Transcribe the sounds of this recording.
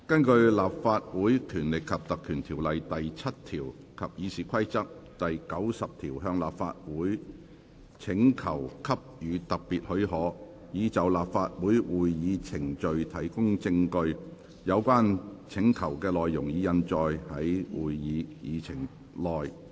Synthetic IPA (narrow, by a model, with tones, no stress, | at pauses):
kɐ˥nkɵ˧ɥlaː˨p̚faː˧t̚wuː˨˥jkʰyː˨˩nlɪ˨kʰːɐ˨p̚t̪ɐ˨kʰːyː˨˩nt̪ʰiː˨˩wlɐ˨jt̪ɐ˨jt͡sʰɐ˥t̚t̪ʰiː˨˩w | kʰɐ˨p̚jiː˨˧siː˨˩kʰɐ˥jt͡sɐ˥k̚t̪ɐ˨jkɐ˨˥wsɐ˨p̚t̪ʰiː˨˩wɦœː˧ŋla̰ː˨pfa̰ː˧t̚wuː˨˥j | t͡sʰɪ˨˥ŋkʰɐ˨˩wkʰɐ˥p̚jyː˨˧t̪ɐ˨k̚piː˨t̚hɵ˨˥ɥhɔː˨˥ | jiː˨˧t͡sɐ˨˩wlaː˨p̚faː˧t̚wuː˨˥jwuː˨˩jjiː˨˧t͡sʰɪ˨˩ŋt͡ʃɵ˨ɥt̪ʰɐ˨˩jkʊ˥ŋt͡sɪ˧ŋkɵ˧ɥ | jɐ˨˧wkʷaː˥nt͡sʰɪ˨˥ŋkʰɐ˨˩wkɛː˧lɔː˨jːʊ˨˩ŋjiː˨˧jɐ˧nt͡ʃɔː˨jhɐ˨˥jwuː˨˩jjiː˨˧jiː˨˧t͡sʰɪ˨˩ŋ | lɔː˨˩j